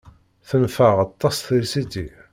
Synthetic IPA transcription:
θənfəʁɑt̪ˤːɑsθiɾsit̪ːi

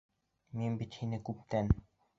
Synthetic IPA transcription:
minbit̪xinɘ̆kɵp̚t̪æn

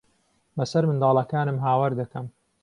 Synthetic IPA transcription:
bɐsɐɾmɨnd̪ɑːlˠɐkaːnɨmɦaːwaɾd̪ɐkɐm

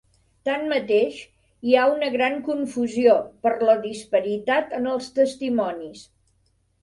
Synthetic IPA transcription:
t̪anmət̪eʃ | iaunəɣɾaŋkuɱfuziopəɾləðispəɾit̪at̪ənəlˠst̪əst̪imɔnis

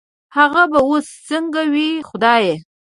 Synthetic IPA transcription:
haɣabaost͡səŋɡawixʊd̪ɑje

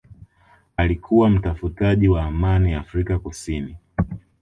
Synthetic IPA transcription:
alikʰuwam̩tafutaʄiwaːmaniafɾikakusini

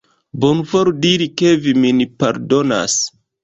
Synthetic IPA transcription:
bonvoɾdiɾikeviminipaɾdona̰s

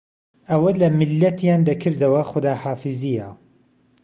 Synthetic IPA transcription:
ʔɐwɐlɐmɪlːɐt̪ʰjaːnd̪ɐkʰɨɾd̪ɐwɐxʊd̪aːhaːfɨzijɐ

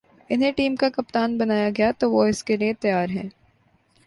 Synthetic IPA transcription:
ɪnɦẽʈiːmkakɐp̚t̪aːnbɐnaːjaɡɐjat̪oːʋoɪskeliet̪ɐjaːɾɦɛ̰̃ː

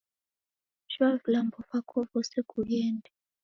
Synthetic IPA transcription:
ʒwalvlambɔfakʰɔvɔseɡ̥ʰujɛːndʱɛ

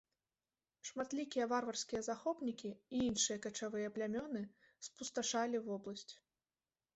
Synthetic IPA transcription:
ʂmat̪lʲikʲijɐvarvɐrsʲkʲijɐzaxɔpnʲikʲiiinʂɨjɐkɐt͡ʂavɨjɐplʲamʲɔnɨ | spust̪aʂalʲivɔblˠɐsʲt͡sʲ

